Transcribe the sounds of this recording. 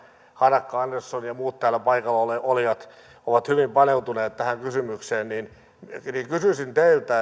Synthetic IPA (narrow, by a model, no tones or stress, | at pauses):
hɑnɑkːɑɑnːersːonjɑmuːt̪t̪æːlːæpɑikɑlːɑoleolijɑt̪ | oʋɑt̪hyʋimpɑneut̪uneːt̪t̪æhæŋkysymykseːnnin | nikysysint̪eilt̪æ